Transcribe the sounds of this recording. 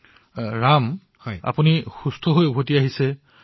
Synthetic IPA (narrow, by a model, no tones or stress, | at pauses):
ɹam | hɔja̰punixustʰoɦojubʱotiaɦisɛ